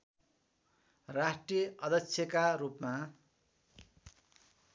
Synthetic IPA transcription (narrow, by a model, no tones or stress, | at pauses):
rasʈrijʌʔʌd̪ʱʌksʰjʌkaɾupma